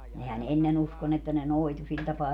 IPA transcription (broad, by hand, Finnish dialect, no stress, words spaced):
nehæn enːen usko ni etːæ ne noitu sil tɑpɑː